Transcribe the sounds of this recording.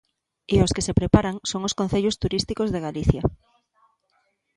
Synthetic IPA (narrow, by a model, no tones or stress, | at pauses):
ɪoskesepɾepaɾaŋsoŋoskõnθeʎost̪uɾist̪ikozðeɣaliθja